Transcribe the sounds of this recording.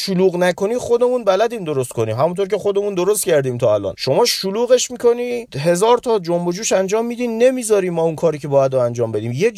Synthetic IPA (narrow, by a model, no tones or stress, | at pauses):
ʃuluːɣnækʰo̞niːχo̞d̪e̞munbælæd̪iːmd̪o̞ɾost̪kʰo̞niːmɦæmunt̪ʰoɾcʲʰe̞χo̞d̪e̞mund̪oɾost̪cʰæɾd̪iːmt̪ʰɒːælɒ̰ːnʃo̞mɒːʃuluːɣe̞ʃmikʰo̞niːɦe̞zɒːɾt̪ʰɒd͡ʒombod͡ʒuːʃænd͡ʒɒːmːiːd̪iːne̞miːzɒːɾiːmːɒːunkʰɒːɾiːcʰe̞bɒːjæd̪ɾoænd͡ʒɒːmbe̞d̪iːmje